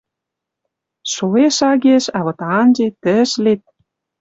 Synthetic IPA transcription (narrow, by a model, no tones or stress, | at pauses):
ʃoeʃɑɣeʃɑβɤ̆t̪ɑɑnʒet̪ə̆ʃlet̪̚